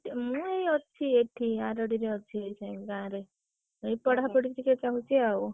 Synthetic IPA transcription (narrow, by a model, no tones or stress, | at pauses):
mũejɔt͡ʃʰieʈʰiaɾɔɽiɾeɔt͡ʃʰiejt͡ʃʰãɡãɾe | ejpɔɽapɔɽit̪ɾikekaɦut͡ʃʰiaw